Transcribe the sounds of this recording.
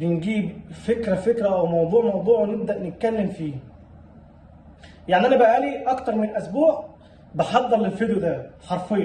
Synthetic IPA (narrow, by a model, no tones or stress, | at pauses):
benɡiːbfekɾæfekɾæʔæwmɑwd̪ˤuːʕmɑwd̪ˤuːʕwneb̚d̪æʔnet̪̚kælːemfiː | jaʕniʔænæbæʔaliʔɑkt̪ɑɾˤmenelʔæsbuːʕ | beħɑd̪ˤːɑɾlelfed̪jod̪æħɑɾˤfejːɑ